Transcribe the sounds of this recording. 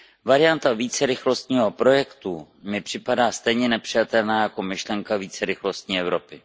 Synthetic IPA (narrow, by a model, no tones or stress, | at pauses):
vaɾɪjant̪aviːt͡sɛɾɪxlo̞st̪ɲiːɦo̞pɾo̞jɛkt̪u | mɪpr̝̥ɪpadaːst̪ɛjɲɛnɛpr̥ɪjat̪ɛlnaːjako̞mɪʃlɛŋkaviːt͡sɛɾɪxlo̞st̪ɲiːɛvɾo̞pɪ